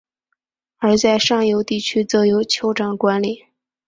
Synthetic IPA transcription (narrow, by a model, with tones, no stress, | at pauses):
ə˞˧˥t͡sa˥˧ɪʂɑ˥˩ŋjo˧˥ʊt̪i˥˩t͡ɕʰy˥t͡sɤ˧˥jo˧˥ʊt͡ɕʰjo˧˥ʊʈ͡ʂɑ˨˩ŋkwa˧˥nli˨˩˦